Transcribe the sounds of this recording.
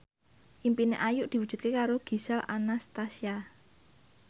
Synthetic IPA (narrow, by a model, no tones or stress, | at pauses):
ʔimpineʔajʊʔd̪̥i̤wud̥ʒ̥ṳt̪̚kekaɾoɡ̥i̤salʔa̰nast̪asia